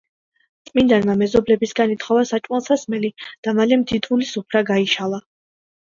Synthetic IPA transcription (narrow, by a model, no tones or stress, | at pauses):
t̪sʼmind̪anmamɛzɔblɛbisɡanit̪ʰχɔvasat͡ʃʼwalˠsasmɛlid̪̥amalɛmd̪id̪vulisupʰɾaɡaiʃalˠa